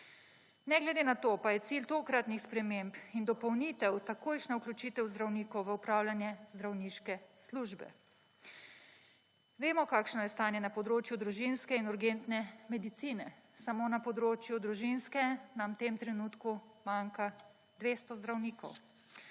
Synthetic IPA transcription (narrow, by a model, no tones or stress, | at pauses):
nɛɡlɛd̪enat̪opajɛt̪silt̪oːkɾat̪nixspɾɛmempind̪ɔpɔwnit̪ɛwt̪akoːjʃnauklʲut͡ʃiːt̪ɛwzd̪ɾawniːkɔwʋəupɾaːwlanjɛzd̪ɾawniːʃkɛsluʒbɛ̰ | ʋeːmɔkaːkʃnɔjɛst̪aːnjɛnapɔd̪ɾoːt͡ʃjud̪ɾuʒinskɛinuɾɡent̪nɛmɛd̪it̪siːnɛsamoːnapɔd̪ɾoːt͡ʃjud̪ɾuʒinskɛnamt̪emt̪ɾɛnuːt̪kumaŋka | d̪ʋeːst̪ɔzd̪ɾawniːkɔ̰w